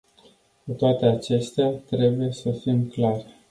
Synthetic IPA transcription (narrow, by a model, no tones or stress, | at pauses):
kut̪oat̪e̞at͡ʃe̞st̪eat̪ɾe̞buje̞səfimklar